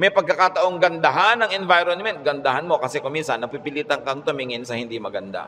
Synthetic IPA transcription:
mɐjpɐɡ̚kɐkat̪ɐʔoŋɡɐnd̪ɐɦanːɐŋʔɛnvajɾonmɛnt̪̚ɡɐnd̪ɐhanmokɐsɛkʊminsɐnːɐpipɪliːt̪ɐŋkɐŋt̪ʊmiŋɪnsɐhɪnd̪imɐɡɐnd̪a̰

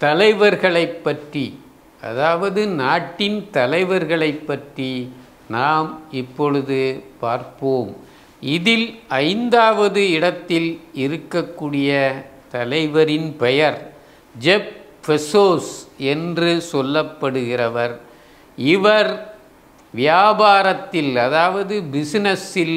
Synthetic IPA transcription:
t̪ɐlɐɪʋɐɾɣɐɭɐɪpːɐʈri | ɐ̰ðaːʋɐðɯnaːʈːɪnt̪ɐlɐɪʋɐɾɣɐɭɐɪpːɐʈri | naːmɪpːɔɭɯðɯpaːɾpoːm | ɪðɪlɐɪnd̪aːʋɐðɯɪɽɐt̪ːɪlɪɾɯkːɐkːuːɽɪjɐt̪ɐlɐɪʋɐɾɪnpɛjɐɾ | d͡ʒɛp̚ | fɛsoːsɛndrɯsɔlːɐpːɐɽɯɣɪrɐʋɐɾ | ɪʋɐɾ | ʋɪjaːbaːɾɐt̪ːɪlɐðaːʋɐðɯbɪsnɛsɪl

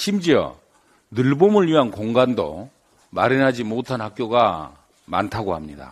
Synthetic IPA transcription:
ɕʰimd͡ʑiʌ̰ | nɯɭbomɯɭɥiɦankoŋɡando̰ | maɾinɦad͡ʑimotʰanhak͈joɡa | ma̰ntʰaɡohamɲida̰

